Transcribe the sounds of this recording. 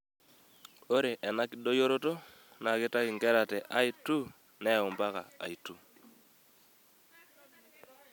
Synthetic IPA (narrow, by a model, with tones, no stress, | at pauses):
o˦ɾe˨ʔɛ˨na˦kɪ˨ɗo˦jo˦ɾo˦to˦ | na˨ke˦ta˦kɪ˨ŋɡɛ˦ɾa˨tɛ˨ʔa˦i˦tu˦ | nɛ˦ɔ˨mba˦ka̰˨a̰˨i˨tu˦